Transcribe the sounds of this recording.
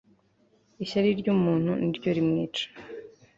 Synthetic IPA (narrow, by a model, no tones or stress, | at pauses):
iɕaɾiɾɟuːmuːn̥huniɾɟo̞ɾimŋiːt͡ʃḁ